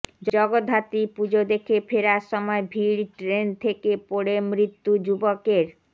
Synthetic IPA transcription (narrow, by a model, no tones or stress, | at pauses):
d͡ʑɔɡod̪ʱɦat̪ipud͡ʑod̪ekʰefʰeɾaʃɔmɔebʱiɾʈɾent̪ʰekepoɽemɾit̪ːud͡ʑubokeɾ